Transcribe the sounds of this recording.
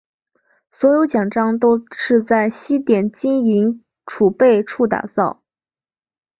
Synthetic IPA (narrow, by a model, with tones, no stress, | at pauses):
swɔ˧˥jo˧˥ʊt͡ɕjɑ˨˩ŋʈ͡ʂɑ˥ŋt̪o˥ʊʂɻ̩˥˧t͡sa˥˩ɪɕi˥t̪jɛ˨˩nt͡ɕi˥ni˧˥n | ʈ͡ʂʰu˨˩pe˥˧ɪʈ͡ʂʰu˥˩t̪a̰˨˩t͡sɑ˥˩ʊ